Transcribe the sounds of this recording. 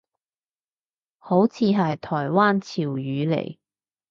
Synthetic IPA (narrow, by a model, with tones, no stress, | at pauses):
ho˨˥wt͡sʰiː˨˧ɦɐ˨jt̪ʰɔː˨˩jwaː˥nt͡sʰiː˨˩wjyː˨˧lḛ˨˩j